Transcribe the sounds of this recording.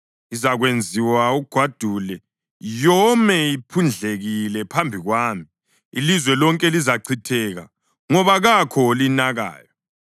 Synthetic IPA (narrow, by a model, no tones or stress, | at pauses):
izaɣwend͡zʱiwauɡ̥ʱwad̥ʱulɛ | jɔmɛipʰund͡ɮʱeɣilɛpʰambʱiɣwaːmi | ilizwɛlɔŋkʼɛlizaǀʰitʰɛɣa̰ | ŋɔβaɣakʰɔlinaɣa̰ːjɔ